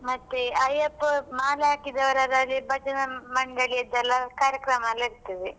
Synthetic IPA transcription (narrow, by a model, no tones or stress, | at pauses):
mɐt̪ːeɐjepːmaːlɐaːkid̪ɐʋɐɾaːd̪ɐːlːibʱɐt͡ʃɐnɐmɐɳɖɐɭijɐd̪ːɐlːɐkaːɾjɐkɾɐmɐlːɐiɾt̪ɐʋe